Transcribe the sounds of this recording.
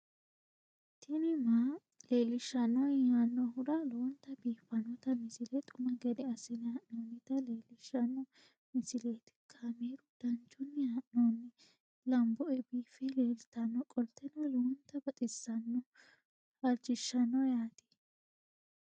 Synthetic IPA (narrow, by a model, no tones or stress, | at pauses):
t̪ʰɪnɪma | leːlɪʃːɐnɔjaːnːɔɦʊɾɐlɔnt̪ɐbiːfːɐnɔt̪ɐmɪsɪlɛt̪ʼʊmɐɡɛd̪ɛɐsɪnɪhaʔnoːnːɪt̪ɐleːlɪʃːɐnːɔ | mɪsɪlet̪ɪ̥kʰaːmeːɾʊd̪̥ɐnt͡ʃʊnːɪhaʔnoːnːɪ | lɐmbɔʔɛbiːfɛleːlɪt̪ɐnːɔkʼɔlt̪ːɛnɔlɔnt̪ɐbɐt̪ʼɪsːɐnːɔ | ɐɾd͡ʒɪʃːɐnːɔjaːt̪i̥